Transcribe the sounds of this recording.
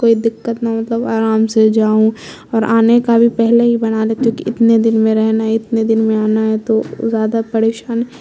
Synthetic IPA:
koːid̪ɪkːət̪namɐt̪ləbaːɾaːmsed͡ʒaːũ | ɔːɾʔaːnekabʱipɛɦleɦibɐnalekjõːkiʔɪt̪ned̪ɪnmẽɾɛɦnaɦɛɪt̪ned̪ɪnmẽaːnaɦɛt̪ozjaːd̪apɐɾeːʃaːnɦɛ

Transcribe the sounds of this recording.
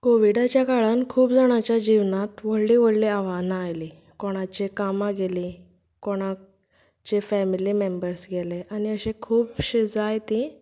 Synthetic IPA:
koʋiɽat͡ɕjakaɭankʰuːbd͡zaɽ̃at͡ɕjad͡ʑiʋnãt̪ʋəɽliʋəɽleaʋanaːjli | kɔɽ̃at͡ɕekamaɡeli | koɽ̃a | t͡ɕefɛmilimembəɾsɡʱeleʔaniəɕekʰuːpɕid͡zajt̪i

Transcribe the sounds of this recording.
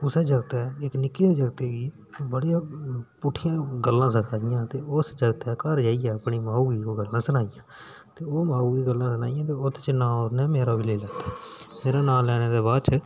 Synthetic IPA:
ʊsɛːd͡ʒəɡt̪ɛːɪknɪkːeːd͡ʒəɡt̪eːɡiː | bəɽijãːpʊʈʰɪjãːɡəlːãːsəkʰaːɪjãːt̪eːʊsd͡ʒəɡt̪ɛːkəɾd͡ʒaːijɛːəpɳiːmaːuːʋiːoːɡəlːãːsənaːɪjãː | t̪eːoːmaːuːiːɡəlːãːsənaːɪjãːt̪eːʊt̪ʰːt͡ʃnaːonɛːmeːɾaːʋɪleːlɛːt̪aːmeːɾaːnaːlɛːneːd̪eːbaːdt͡ʃə

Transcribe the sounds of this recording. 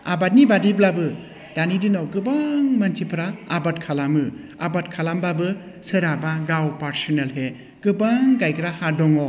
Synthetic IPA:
a̰bat̚nibadiblabɯ | danidɯnawkɯbaŋmantʰipʰɾaabat̚kʰalamɯ | abatkʰalambabɯ | sɯɾabaɡawpaɾsɔnelɦe | kɯbaŋɡajkɾahadɔŋɔ

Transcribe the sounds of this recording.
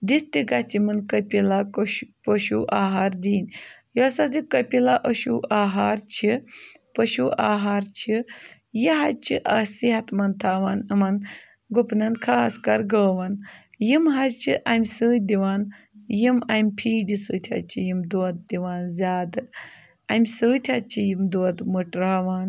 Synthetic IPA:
d̪it̪ːiɡat͡simɨnkəpʲilakʃpəʃuʔaːɦaɾd̪iːnʲjosɐzikəpʲilaʔɐʃuʔaːɦaɾt͡ʃʰipɐʃuːʔaːɦaːɾt͡ʃʰi | jiɦɐt͡ʃʰiʔɐsiɦɐt̪mɐnt̪ʰaːʋanɨmɐn | ɡupnɐnkʰaːskɐɾɡɐːʋɐn | jimɦɐɾt͡ʃʰiʔɐmʲsɨːd̪iʋaːn | jimɐmʲpʰiːd̪ʲisɨːt̪ʲʰa̰t͡ʃʰijimd̪uɐt̪̚d̪iʋaːnzʲaːd̪ɨ | ɐmʲsɨːt̪ʲʰɐt͡ʃʰijimd̪uɐd̪mɨʈɾaːʋaːn

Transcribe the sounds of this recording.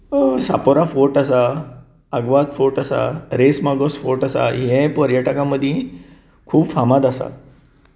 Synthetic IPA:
sapoɾafoʈasa | əɡʋat̪foʈasa̰ɾesmaɡosfoʈasa̰ɦɛ̃pɔɾjaʈəkãməd̪ʱːjẽ | kʰuːbfamad̪asa̰

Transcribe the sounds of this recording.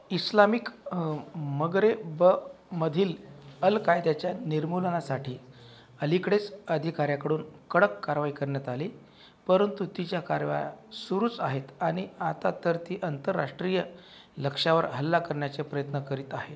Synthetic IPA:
islamik | məɡɾebəməd̪ʱiːləlkajd̪at͡ɕjaniɾmulənasaʈʰiː | əlikɽet͡səd̪ʱikaɾjakəɽuːnkəɽəkːaɾʋaikəɾɳjat̪ali | pəɾənt̪ut̪it͡ɕjakaɾʋa̰ja̰suɾuːt͡saɦet̪aɽ̃iat̪at̪əɾt̪iːʔənt̪əɾːa̰ʂʈɾijə | ləkʂaʋəɾɦəlːakəɾɳjat͡sepɾəjət̪nəkəɾiːt̪aɦe

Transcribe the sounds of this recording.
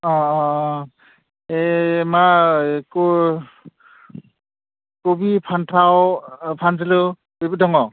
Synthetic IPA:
ɔ | emako | kobipʰantʰawpʰans̬ilu | bebidɔŋɔ

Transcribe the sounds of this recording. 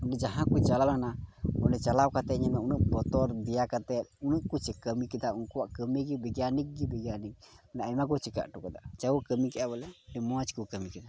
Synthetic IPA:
unɖɛd͡ʒaɦãkut͡ʃalalanaɔnɖɛt͡ʃalawkat̪ɛɲɛmɛunuʔ̚bɔt̪ɔɾd̪ijakat̪ɛt̪̚unuʔkut͡ʃɛkəmikɛd̪aʔunkuwaʔkəmiɡibɛɡjanik̚ɡibɛɡjanik̚naajmak̬ɔt͡ʃika̰ʔʈukad̪aʔt͡ʃaukəmikɛʔabɛlɛɖɛmɔat͡ʃkukəmikɛna

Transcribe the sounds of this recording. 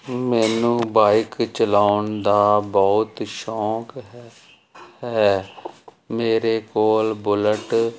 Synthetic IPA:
mɛːnũːbaːɪkt͡ʃəlaːʊnd̪aːbɔːt̪ʃɔːk | hɛː | meːɾeːkoːlbʊləʈ

